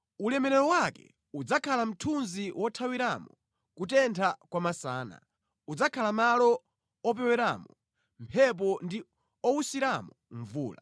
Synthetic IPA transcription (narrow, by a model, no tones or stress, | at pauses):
ulɛmɛɾɛɾɔwakɛ̰ | ud͡zakʰalam̩tʰunziwɔtʰawiɾamɔ̰ | kutɛntʰakwamasaːna̰ | ud͡zakʰalamalɔ | ɔp̬ɛwɛɾaːmɔ | mpʰɛp̬ɔndi | ɔwusiɾamɔɱvuːla